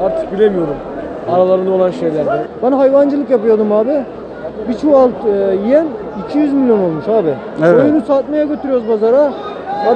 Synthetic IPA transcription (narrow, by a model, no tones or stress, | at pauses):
aɾt̪ʰɯ̥k̚bilʲe̞mijo̞ɾum | aɾalˠaɾɯnd̪ao̞lˠanʃe̞jlʲæɾd̪ɛbanɦajvand͡ʒɯlˠɯkjapɯjod̪umaːbɪ | bit͡ʃʰualˠt̪jijæn | icʰijyzmʲilʲjo̞no̞lˠmuʃaːbɪ | ojunusat̪majaɟø̞t̪ʰyɾyjo̞ɾuzbazaɾa | aː